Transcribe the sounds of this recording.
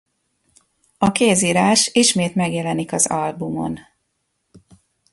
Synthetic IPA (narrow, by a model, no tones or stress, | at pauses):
ɒkeːziːɾaːʃiʃmeːt̪mɛɡjɛlɛnikɒzɒlbumo̞̰n